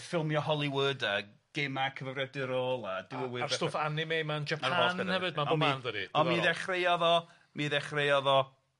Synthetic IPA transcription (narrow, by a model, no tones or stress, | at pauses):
fɪlˠmjɔɦɔlˠiwəːda | ɡ̥emakʰəvəvrɛdɪɾoːlˠadɪwəwɪarstofanɪmejmand͡ʒɛpʰaaɔnɛhɛvɨdmaɔminðədiɔnmiðɛχrejɔðɔ | miðɛχrejɔðɔ